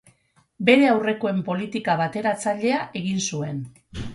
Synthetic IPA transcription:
be̞ɾe̞awre̞koe̞mpo̞lit̪ikaβat̪e̞ɾat͡saʎe̞aʔe̞ɣ̞insue̞n

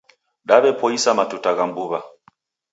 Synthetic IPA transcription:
ɗaβɛpɔisamatutaɣambuβa

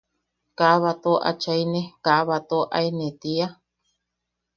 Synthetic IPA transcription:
kaβat̪oʔa̰t͡ʃainẽkaβat̪oʔa̰inet̪ia

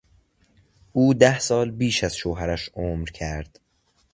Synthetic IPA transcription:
ʔuːd̪æhsɒːlbiːʃæz̥ʃoːɦæɾæʃoːmɾcʰæɾd̪̥

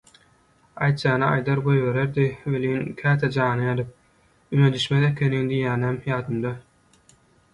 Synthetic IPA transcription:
ɑjt̪̚d͡ʒɑːnɑɑjd̪ɑɾbojβe̞ɾeɾd̪iveliːnkʲʰæːt̪ʰed͡ʒɑːnɯjɑd̪ɯp̚ | yned̪yʃmeðekʲʰeniŋd̪ijæːnæmjɑːd̪ɯmd̪ɑ

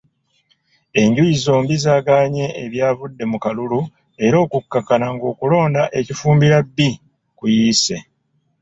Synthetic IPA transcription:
e̞ɲɟujizo̞ːmbizaːɡaːɲe̞eβjaːvudːe̞mukalulu | e̞ɾo̞ːkukːakːanaŋɡo̞ːkulo̞ːndaʔe̞cifuːmbiɾabːi | kujiːse̞

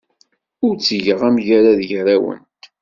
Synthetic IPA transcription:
ʊɾt͡sːʝəʁæmʝaɾaðjɾæwə̰nt̪

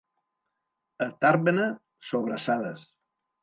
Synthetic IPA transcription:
ət̪aɾβənə | soβɾəsaðəs

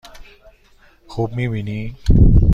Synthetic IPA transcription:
kʰup̚miwini

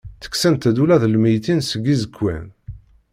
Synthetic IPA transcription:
θə̥ksænt̪æd̪ulæðəlməjt̪insəɡizəkːæ̰n

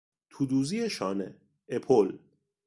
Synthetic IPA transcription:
t̪ʰuːd̪uːzieʃɒːnḛ | epʰol

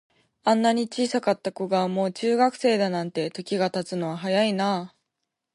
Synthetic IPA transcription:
ãnːaɲ̟it͡ɕiːsakat̪ːakoɡamo̞ːt͡ɕɨːɡakɯ̟̥se̞ːd̪anãnt̪e̞t̪o̞kʲiɡat̪at͡sɨno̞βaɦajainaː

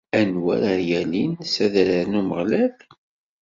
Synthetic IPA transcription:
ænwæ̰ɾəjælinsæðɾəɾnuməʁlæv

